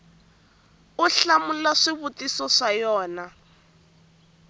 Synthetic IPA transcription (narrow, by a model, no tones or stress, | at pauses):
ʊɬamulaʂiβutisɔʂajɔːna